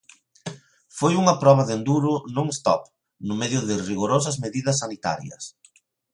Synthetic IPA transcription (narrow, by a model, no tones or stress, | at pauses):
fojuŋɐpɾɔβɐðend̪uɾʊnõŋest̪ɔ̰p | nʊmɛðjʊðɪriɣoɾos̬ɐzmeðiðɐsːanit̪a̰ɾjɐ̰s